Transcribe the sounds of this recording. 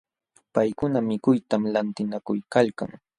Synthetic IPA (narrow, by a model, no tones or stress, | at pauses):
pajkʊnamɪkʊjt̪amlant̪ɪnakʊjkalka̰ŋ